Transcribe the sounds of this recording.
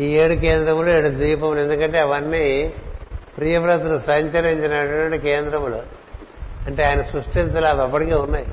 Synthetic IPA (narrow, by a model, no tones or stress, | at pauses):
iːeːɽukeːnd̪ɾɐmloːeɽud̪iːpɐmule̞nd̪ukɐɳʈe̞ɐʋɐnːi | pɾijɐʋɾɐt̪ulusɐɲt͡ʃɐɾiɲt͡ʃinɐʈɐʈwɐɳʈikeːnd̪ɾɐmlo | ɐɳʈeaːjɐnɐsɾusʈinsɐlaːdɐpːɐʈike̞ːunːaːji